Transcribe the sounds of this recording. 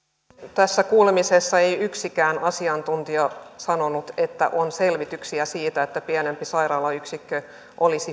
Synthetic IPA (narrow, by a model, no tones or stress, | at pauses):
t̪æsːækuːlemisesːɑe̞jyksikæːnɑsiɑnt̪unt̪iɑsɑno̞nut̪et̪ːæ̰ʔonse̞lʋit̪yksiæsiːt̪æet̪ːæpiæne̞mpisɑiɾɑːlɑyksikːø | ʔolisi